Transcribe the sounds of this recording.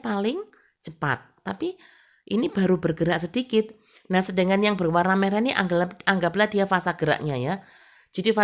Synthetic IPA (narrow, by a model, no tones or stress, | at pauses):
palɪŋ | t͡ʃəpa̰t̪̚ːapi | ʔinib̥aɾubərɡəɾaʔsədikɪt̪̚ | nahsədəŋanjaŋbərwarnamɛɾɛniaŋaŋɡaplad̥ijafasaɡ̥əɾa̰ʔɲaja | d͡ʒ̥a̤difa